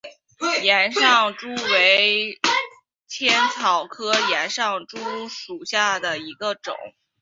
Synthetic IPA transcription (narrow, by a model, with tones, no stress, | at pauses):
jɛ˧˥nʂɑ˥˩ŋʈ͡ʂu˥we˧˥ɪɪ | t͡ɕʰjɛ˥nt͡sʰɑ˨˩ʊkʰɤ˥jɛ˧˥nʂɑ˥˩ŋʈ͡ʂu˥ʂu˨˩ɕja˥˩d̪ə˩i˧˥ɡə˧ʈ͡ʂʊ̰˨˩˦ŋ